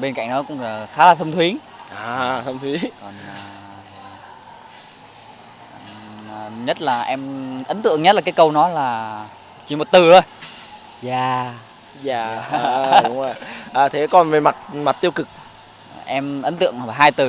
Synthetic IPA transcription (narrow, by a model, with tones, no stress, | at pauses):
ɓe˧nka̰˧˨jŋ̟ɗɔ˨˦kʊ̰˧˥ŋ͡mxaː˨˦laː˨˩t̪ʰə˧ŋ͡mt̪ʰwi˨˦ | ʔaː˨˩t̪ʰə˧mt̪ʰwi˨˦kɔ˨˩nː˨˩ | t̪ʰi˨˩ʔə˨˩˨ | ɲə˦˥t̚laː˨˩ʔɛ˧mʔə˨˦nt̪ɨ̰˧˨əŋɲə˦˥t̚laː˨˩kːjkə˧wnɔ˨˦laː˨˩ | t͡ɕi˨˧˩mo˨˩t̚t̪ɨ˨˩ʔə˨˧˩j | zaː˨˩ | zaː˨˩˨ | ʊ˨˦ŋ͡mzo˨˩jjʔəː˨˩t̪ʰe˨˦kɔ˨˩nve˨˩ma˨˩t̚ma˨˩t̚t̪i˧əwkɨ˨˩k̚ | ʔɛ˧mʔə˨˦nt̪ɨ̰˧˨əŋ˨aː˨˩ɦaː˧jt̪ɨ˨˩